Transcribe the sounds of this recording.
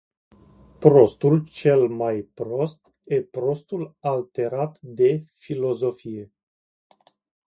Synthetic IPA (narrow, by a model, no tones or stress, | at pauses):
pɾo̞st̪ult͡ʃe̞lmajpɾo̞st̪ | epɾo̞st̪ulalt̪e̞ɾat̪d̪e̞filo̞zo̞fije̞